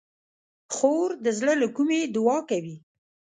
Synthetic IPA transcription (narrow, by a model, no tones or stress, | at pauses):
xoɾd̪əzləlakumed̪ʊwɑkawi